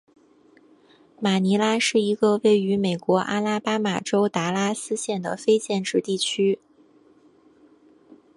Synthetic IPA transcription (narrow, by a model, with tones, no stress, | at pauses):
ma˨˩ni˧˥la˥ʂɻ̩˥˩i˧˥ɡə˧we˥˩ɪy˧˥me˨˩ɪkwɔ˧˥ʔa̰˥la˥pa˥ma˨˩ʈ͡ʂo˥ʊt̪a˧˥la˥sɹ̩˥ɕjɛ˥˩nd̪ə̰˩fe˥ɪt͡ɕjɛ˥˧nʈ͡ʂɻ̩˥˧t̪i˥˩t͡ɕʰy˥